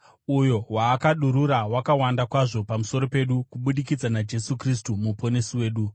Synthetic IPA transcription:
ujo̞waːkaɗuɾuɾawakawandakwaʐo̞pamuso̞ɾo̞pe̞ɗukuɓuɗikid͡zanad͡ʒe̞sukris̬tumupo̞nesiwe̞ːɗu

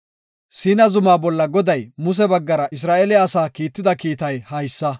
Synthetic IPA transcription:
siːnɐzʊmaːbɔlːɐɡɔd̪ɐjmʊs̬ɛbɐɡːɐɾɐʔɪs̬ɾaːʔɛlɪjaːsaːkiːt̪ːɪd̪ɐkiːt̪ɐjhɐjsːɐ

